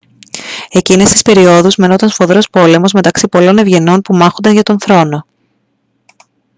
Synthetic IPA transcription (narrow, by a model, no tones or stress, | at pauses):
e̞cine̞st̪ispe̞ɾio̞ðuzme̞no̞t̪ɐnfo̞ðɾo̞spo̞le̞mo̞zme̞t̪ɐksipo̞lo̞ne̞vʝe̞no̞npumɐxo̞nd̪ɐnʝɐt̪o̞nθɾo̞no̞